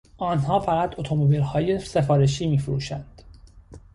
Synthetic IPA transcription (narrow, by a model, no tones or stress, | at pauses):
ʔɒːnhɒːfæɣæt̪o̞t̪ʰo̞mobiːlhɒːjese̞fɒːɾe̞ʃiːmiːfɾṵːʃænd̪̥